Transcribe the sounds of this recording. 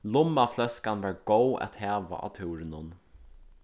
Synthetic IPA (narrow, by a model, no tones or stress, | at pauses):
lʊmːaflɛskanvaɹɡowæ̰t̪hæːʋa̰ʔa̰t̪ʰuwɾɪnʊn